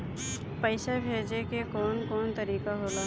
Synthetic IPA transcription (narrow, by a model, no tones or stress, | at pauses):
pəɪʃebʱeːd͡ʒekekɔːnkɔːnt̪əɾiːkaɦoːlaː